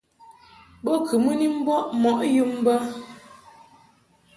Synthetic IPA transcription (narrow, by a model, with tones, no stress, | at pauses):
ɓo˦kʰɨ˨mə˦ni˦m̩˦bɔ˦ʔmɔ˨ʔju˦m˦bə˦